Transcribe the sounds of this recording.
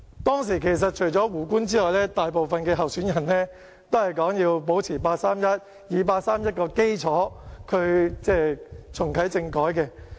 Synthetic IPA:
t̪ɔː˥ŋsiː˨˩kʰe˨˩js̬ɐ˨t̚t͡ʃʰɵ˨˩jt͡ʃɔː˨˥wuː˨˩kuː˥nt͡siː˥lɔː˨˩jlɛː˥t̪aː˨jpo˨wfɐ˨nkɛː˧ɦɐ˨wsyː˨˥njɐ˨˩nlɛ˥ | t̪o˥whɐ˨jkɔː˨˥ŋjiː˧wpo˨˥wt͡sʰiː˨˩paː˧t̚saː˥mjɐ˥t̚ | jiː˨˧p̬aː˧t̚saː˥mjɐ˥t̚kɔː˧ke˥jt͡sʰɔː˨˥kʰɵ˨˧ɥt͡sɛː˥˩t͡sʰʊ˨˩ŋkʰɐ˨˥jt͡sɪ˧ŋkɔː˨˥jkɛ˧

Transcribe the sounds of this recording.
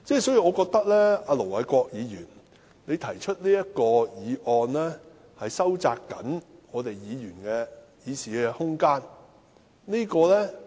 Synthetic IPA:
t͡sɛː˥sɔː˨˥ji˧ɔː˨˧kɔː˧k̚t̪ɐ˥k̚lɛ˥aː˧lo˨˩wlɐ˨˥jkʷɔː˧k̚jiː˨˧jyː˨˩n | ne˨˧jt̪ʰɐ˨˩jt͡ʃʰɵ˥t̚liː˥jɐ˥t̚kɔː˧jiː˨˧ʔɔː˧nlɛː˥ | hɐ˨jsɐ˥wt͡saː˧kːɐ̰˨˥nŋɔː˨˧t̪e˨jːiː˨˧jyː˨˩nkɛ˧ | jiː˨˧siː˨˩kɛ˧hʊ˥ŋkaː˥n | niː˥kɔː˧lɛː˥

